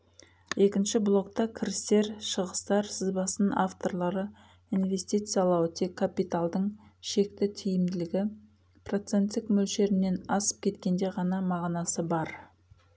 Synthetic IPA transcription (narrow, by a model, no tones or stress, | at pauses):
je̞kʲɪnʃɪblˠo̞kt̪ɑkʲʰɪɾɪst̪e̞ɾʃəʁəst̪ɑɾsɪzbɑsənaft̪o̞ɾlˠɑɾə | invʲe̞sʲt̪ijt̪sɨjɑlˠɑwət̪ʰekʰːapit̪alˠd̪əɴʃe̞kt̪ɪt̪ʰijɪmd̪ɪlɪɡʲɪ | pro̞t̪se̞nt̪ːɪkmɵlʃe̞ɾɪnːe̞nɑsə̥p̚kʲʰe̞t̪kʲe̞nd̪e̞ʁɑnɑmɑʁnɑsəbɑɾ